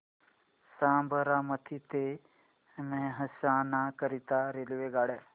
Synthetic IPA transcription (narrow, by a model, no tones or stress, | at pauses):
sãːmbʱəɾamɐt̪ʰit̪e | mẽɦəsaːnãkəɾit̪aɾeliʋeɡaːɽe